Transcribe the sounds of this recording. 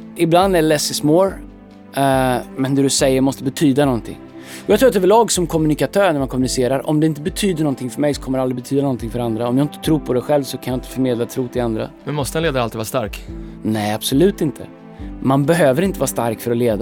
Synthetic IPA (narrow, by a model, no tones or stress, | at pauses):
ʔɪbland̪ælɛsːɪsmoːɾ | mɛnd̪ɛd̪ɾɵsɛjːəɾmɔst̪əbɛt̪ʰyːd̪anɔnt̪ʰɪ̰ŋː | ɔjɑɡt̪ɾuːat̪ɛvəɭɑːɡsɔmkʰɔmːɵnɪkat̪ʰøːɾɳæmankʰɔmːɵnɪseːɾaɾɔ̰md̪ɛɪnt̪əbɛt̪ʰyːd̪əɳɔnt̪ʰɪŋfœɾmɛjsɔ̥kʰɔmːəɾald̪ɾɪbɛt̪ʰyːd̪anɔnt̪ʰɪŋfœɾand̪ɾaɔmjɑːɡɪnt̪ət̪ʰɾuːɾpʰɔd̪ɛɧɛlvsɔkʰanjaːɪnt̪ə̥fœɾmeːd̪lat̪ʰɾuːt̪ʰɪland̪ɾa̰mɛnmɔst̪əɛnleːd̪aɾalt̪iːvɑɾast̪a̰ɾknɛjab̥sɔlʉ̟ːt̪ɪnt̪ʰə̰ | manbɛɦøːvəɾɪnt̪əvɑːɾst̪a̰ɾkfœɾɔleːd̪a